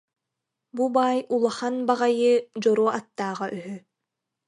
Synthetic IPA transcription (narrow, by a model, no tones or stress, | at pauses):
bubaːjulˠaχanbaʁajɯd͡ʑɔɾɔːʔat̪ːaːʁaʔyɦy